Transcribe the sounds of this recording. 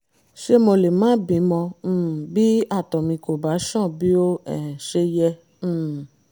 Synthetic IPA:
ʃe˦mɔ̃˧le˨mãː˦bĩ˨˦mɔ̃˧˦˨bi˦a˦˨tɔ˨mĩ˧ko˨ba˨˦ʃɔ̃˦˨bi˦o˦ɛ˨ʃe˧jɛ̃˧˦˨

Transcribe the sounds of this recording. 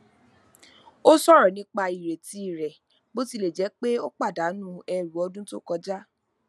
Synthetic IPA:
o˦sɔ˦˨ɾɔ˨nĩ˦k͡pa˧i˨ɾe˨ti˦i˦˨ɾɛ˨ | bo˦ti˧˦le˨d͡ʒɛ˨˦k͡pe˦o˦k͡pa˦˨da˨˦nũ˦ɛ˧ɾu˨˦ɔ˧dũ˦to̰˦˨kɔ˧d͡ʒa˦

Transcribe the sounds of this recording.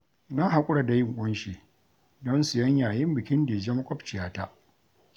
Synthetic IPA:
na˦ŋɦa˦kʷʼʊ˦ɽa˨da˨jɪ˦˨ŋkʷʼʊ˦nʃiː˨ | dɔ˦nsɪ˨jɐ˦ɲjaː˨jɪ˦mbɪ˨kʲɪ˦ndeː˨d͡ʒɐ˦ma˦kʷʼɔ˦p̚t͡ʃɪ˨jaː˦ta˦ʔ

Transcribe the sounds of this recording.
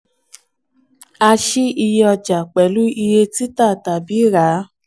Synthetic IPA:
a˧ʃi˦i˧jɔ˧d͡ʒa˨k͡pɛ˨lu˦i˧je˧ti˦ta˦˨ta˨bi˨˦ɾa˨˦

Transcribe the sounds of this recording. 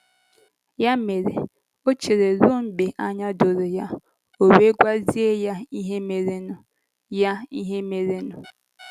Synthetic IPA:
ja˦me˨ɾḛ˨ | o˦t͡ʃe˨ɾe˨ɾʊ˦m̩˦be˨ʔa˦ɲa˦do˨ɾo˨ja˦ | o˨we˦ɡʷa˦zi˦e˦ja˦i˦ɦe˦me˨ɾe˦nʊ˨ | ja˦i˦ɦe˦me˨ɾe˦nʊ˨

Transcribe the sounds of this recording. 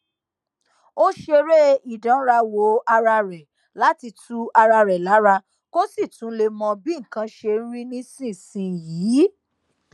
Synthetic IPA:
o˦ʃe˧ɾe˦i˨dã˨˦ɾa˧wo˨˦a˧ɾa˧ɾɛ˨ | la˨˦ti˧tu˦a˧ɾa˧ɾɛ˨la˨˦ɾa˧ | ko˦si˦˨tũ˨˦le˧mɔ̃˧bĩ˦ŋ̩˨kã˧ʃe˧n̩˦ɾĩ˦nĩ˦sĩ˦˨sĩ˨˧˨jiː˨˦

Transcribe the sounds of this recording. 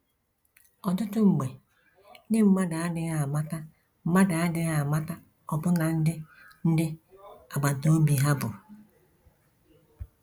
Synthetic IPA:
ɔ˨tʊ˦tʊ˦ŋ͡m̩˨ɡ͡be˨ | nɪ˦m̩˦ma˦da˨a˦dɪ˨ɣa˨ma˦ta˦ | m̩˦ma˦da˨a˦dɪ˦ɣa˨ma˦ta˦ | ɔ˨bʊ˦na˨n̩˦dɪ˦ | n̩˦dɪ˦a˨ɡ͡ba˨do˦bi˨ɦa˦bʊ̰˨

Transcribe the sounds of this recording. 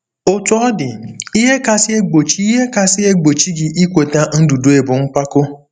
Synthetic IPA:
o˨tu˨ɔ˦dɪ˨i˦ɦe˦ka˨sɪ˦e˦ɡ͡bo˨t͡ʃi˦ɦe˦ka˦sɪ˦e˦ɡ͡bo˨t͡ʃi˦ɡɪ˨ʔi˦kʷe˨ta˦n̩˦du˨du˨˦e˨bʊ˨ŋ̩˦k͡pʷa˦ko˦

